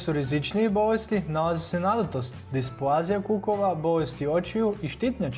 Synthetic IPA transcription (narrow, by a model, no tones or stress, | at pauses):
suɾizit͡ʃnijebo̞ʋest̪inalˠazisenad̪ut̪ost̪d̪ispuazijakukoʋabo̞ʋest̪iot͡ʃijuʔiʃt̪it̪ɲa